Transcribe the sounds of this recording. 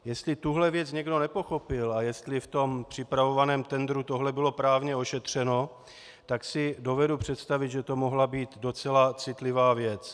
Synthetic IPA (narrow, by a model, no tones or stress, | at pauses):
jɛst̪lɪt̪uɦlɛvjɛt͡sɲɛɡdo̞nɛpo̞xo̞pɪlajɛst̪lɪft̪o̞mpr̝̥ɪpɾavo̞vanɛːmt̪ɛnd̪ɾut̪o̞ɦlɛbɪlo̞pɾaːvɲɛo̞ʃɛt̪r̝̥ɛno̞ | t̪aksɪdo̞vɛdupr̝̥ɛt̪st̪avɪd̪ʒɛt̪o̞mo̞ɦlabiːt̪do̞t͡sɛlat͡sɪt̪lɪvaːvjɛt͡s